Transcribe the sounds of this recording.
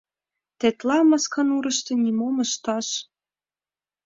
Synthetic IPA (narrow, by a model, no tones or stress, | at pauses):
t̪et̪lɑmɑskɑnuɾɤ̆ʃt̪ɤ̆nʲimomə̆ʃt̪ɑʃ